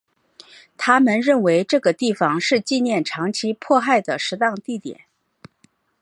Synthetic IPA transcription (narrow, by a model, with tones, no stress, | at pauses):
t̪ʰa˥mə˨nɻə˥˩nwe˧˥ɪʈ͡ʂɤ˥˩ɡə˩t̪i˥˩fɑ˨˩ŋʂɻ̩˥˧t͡ɕi˥˧njɛ˥˩nʈ͡ʂʰɑ˧˥ŋt͡ɕʰi˥pʰwɔ˥˧xa˥˩ɪd̪ə˩ʂɻ̩˧˥t̪ɑ˥˧ŋt̪i˥˩t̪jɛ̰˨˩˦n